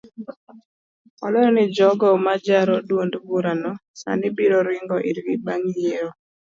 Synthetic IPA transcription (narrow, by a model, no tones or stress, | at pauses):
ɔlɔɾɔnɪd͡ʒɔɡɔmad͡ʒaɾɔdwondvuɾanɔsa̰nɪbiɾɔɾɪŋɡɔʔiɾɡibaŋjeɾɔ